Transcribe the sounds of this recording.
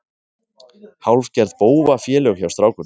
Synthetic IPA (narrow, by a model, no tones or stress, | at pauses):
hawlfcɛɾðpoːwvafjɛːlœxçjawst̪ɾawkʏn